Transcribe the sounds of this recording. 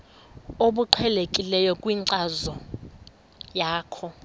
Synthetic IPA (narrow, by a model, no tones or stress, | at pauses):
oɓuǀʰwɛlekʼilɛjɔkʼwiːǀazɔ | jaːkʰɔ